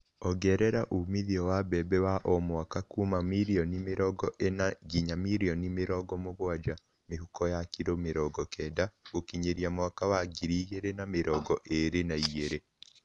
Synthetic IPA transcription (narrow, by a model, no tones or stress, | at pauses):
ɔɡɛɾɛɾaʔumiðiɔwabɛbɛwaʔɔmwakakumamiɾiɔnimeɾɔɡɔʔenaɡiɲamiɾiɔnimeɾɔɡɔmoβwad͡ʒa | meɦukɔjakiɾomeɾɔɡɔkʰɛdaokiɲeɾiamwakawaɡiɾiːɣeɾenameɾɔɡɔʔeɾenaieɾe